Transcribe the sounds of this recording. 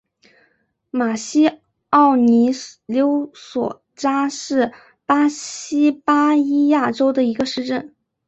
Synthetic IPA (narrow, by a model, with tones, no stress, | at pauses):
ma˨˩ɕi˥ | ɑ˥˩ʊni˧˥ljo˧˥ʊswɔ˨˩ | ʈ͡ʂa˥ʂɻ̩˥˩ | pa˥ɕi˥pa˥i˥ja˥˩ʈ͡ʂo˥ʊd̪ə˨i˧˥ɡə˧ʂɻ̩˥˧ʈ͡ʂə˥˩n